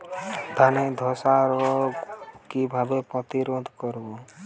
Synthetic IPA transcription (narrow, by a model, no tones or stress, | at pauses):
d̪ʱaned̪ʱɔsaɾɔ | kibʱabepɔ̃t̪iɾod̪ʱkɔɾuo